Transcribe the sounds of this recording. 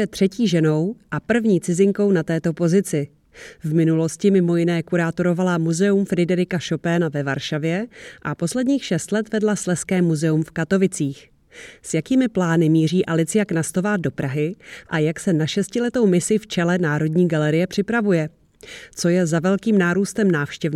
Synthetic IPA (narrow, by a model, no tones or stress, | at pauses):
ɛt̪r̝̥ɛciːʒɛno̞wʔapr̩vɲiːt͡sɪzɪŋko̞wnat̪ɛːt̪o̞po̞zɪt͡sɪ | vmɪnulo̞scɪmɪmo̞jɪnɛːkuɾaːt̪o̞ɾo̞valamuzɛumfɾɪdɛɾɪkaʃo̞pɛnavɛvaɾʃavjɛʔapo̞slɛdɲiːxʃɛst̪lɛt̪vɛdlaslɛskɛːmuzɛumfkat̪o̞vɪt͡siːx | sjakiːmɪplaːnɪmiːr̝iːʔalɪt͡sɪjaknast̪ovaːdo̞pɾʔaɦɪʔajaksɛnaʃɛscɪlɛt̪o̞wmɪsɪft͡ʃɛlɛnaːɾo̞dɲiːɡalɛɾɪjɛpr̝̥ɪpɾavujɛ | t͡so̞jɛzavɛlkiːmnaːɾuːst̪ɛmnaːfʃcɛv